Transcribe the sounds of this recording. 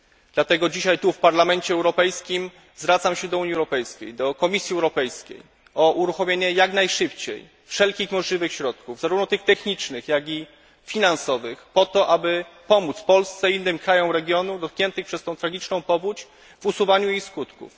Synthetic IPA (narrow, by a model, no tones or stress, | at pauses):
d̪lat̪ɛɡɔd͡ʑiɕajt̪ufpaɾlamɛɲt͡ɕɛɛwɾɔpɛjskʲim | zvɾat̪samɕɛd̪ɔuɲiɛwɾɔpɛjskʲḛjd̪ɔkɔmʲisʲjiɛwɾɔpɛjskʲḛj | ɔʔuɾuxɔmʲjeɲɛjaknajʂɘpt͡ɕḛj | fʂɛlkʲixmɔʐlʲivɘxɕɾɔt̪̚kuvzaɾuvnɔt̪ɘxt̪ɛxɲit͡ʂnɘxjaɡʲi | fʲinansɔvɘxpɔt̪ɔʔabɘpɔmut̪sfpɔlst̪sɛinːɘmkɾajɔ̃w̃ɾɛɡʲjɔnud̪ɔt̪̚kɲɛnt̪ɘxpʂɛst̪ɔ̃w̃t̪ɾaɡʲit͡ʂnɔ̃w̃pɔvut͡ɕ | vusuvaɲuixskut̪kṵf